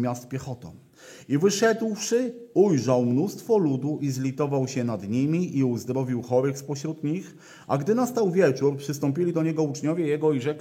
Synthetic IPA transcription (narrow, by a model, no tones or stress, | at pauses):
mʲjast̪pʲjɛxɔt̪ɔ̰m | ivɘʂɛd̪wʂɘujʐawmnust̪fɔlud̪uʔizlʲit̪ɔvawɕɛnad̪ɲimʲiʔiuzd̪ɾɔvʲiwxɔɾɘxspɔɕɾud̪ɲix | ʔaɡd̪ɘnast̪awvʲjɛt͡ʂuɾpʂɘst̪ɔmpʲilʲid̪ɔɲɛɡɔut͡ʂɲɔvʲjɛjɛɡɔiʐɛkʲ